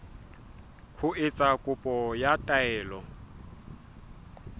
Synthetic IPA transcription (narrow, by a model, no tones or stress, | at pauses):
kʰʊʔɪt͡sʼakʼʊpʼɔjatʼaɛːlɔ